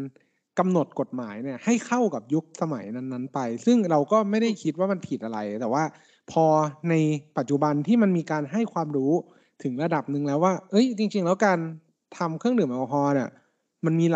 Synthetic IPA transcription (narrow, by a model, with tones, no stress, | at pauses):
n | ka˧mno˨˩t̪̚ko˨˩t̪̚maː˩˦jni˧˥˩ɐha˥˩jkʰa˥˩wka˨˩p̚ju˦˥k̚sa˧ma̰˩˦jna˧˥nːa˦˥npa˧jsɯ˥˩ŋɾa˧wkɔː˥˩ma˥˩jda˥˩jkʰi˦˥t̪̚waː˥˩ma˧npʰiː˨˩t̪̚ʔa˧ɾa˧jt̪ɛː˨˩waː˥˩ | pʰɔː˧na˧jpa˨˩t̪̚t͡ɕu˨˩ba˧nt̪ʰiː˥˩ma˧nmiː˧kaː˧nɦa˥˩jkʰwaː˧mɾuː˦˥ | t̪ʰɯ˩˦ŋɾa˧da˨˩p̚nɯ˧ŋlɛː˦˥waː˥˩ʔɤ˦˥jt͡ɕi˧ŋt͡ɕi˧ŋlɛː˦˥wkaː˧n | t̪ʰa˧mkʰɯ˥˩əŋdɯ˨˩˦mʔɔː˧˩ɦɔː˧˥ni˧˩ | ma˧nmiː˧